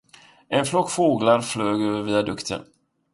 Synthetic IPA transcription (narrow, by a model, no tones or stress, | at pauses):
ʔɛnflɔkːfoːɡlaɾfløːɡøviːad̪ɵkt̪ʰə̰n